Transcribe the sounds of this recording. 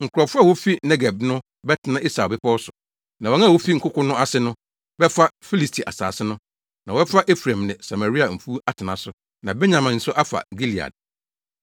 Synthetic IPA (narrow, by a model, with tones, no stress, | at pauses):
ŋ̩˨kʊ˨ɾɔ˨fʊ˦a˦˨wo˦fi˦nɛ˦ɡɛ˨bnʊ̃˦ | bɛ˦tʰɪ˨nã˦ʔi˦sa˨bɪ˦pʰɔ˦wɔ˦sʊ˨ | nã˨wɔ˨˦ŋã˦˨wo˦fi˦ŋ̩˨kʊ˦kʰʊ̃˦nʊ̃˦a˦sɪ˦nʊ̃˦ | bɛ˦fa˦fi˦li˨stʰi˨ʔa˨sa̰ː˨sɪ˦nʊ̃˦ | nã˨wɔ˦ɛ˦fa˦ʔe˦fɾã˨mnɪ̃˨sa˨ma˨ɾi˦a˨m̩˨fu˦a˦tʰɪ˨nã˨sʊ˨ | nã˨bɛ˦ɲã˨mã˨n̩˨sʊ˦ʔa˦fa̰˨ɡi˦li˨a̰˨d̚